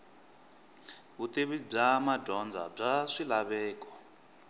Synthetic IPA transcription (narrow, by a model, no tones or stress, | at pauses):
βut̪iβib͡ʐamadɔnd͡zʱa̰b͡ʐaʂilaβɛːkɔ̥